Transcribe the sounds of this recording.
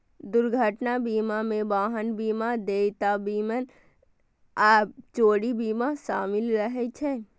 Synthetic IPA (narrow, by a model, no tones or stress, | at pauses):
d̪uɾɡʱəʈnabimamẽbaːɦənbimad̪et̪abimən | at͡ʃoːɽibimasa̰ːmilɾəɦɛt͡ʃʰɛ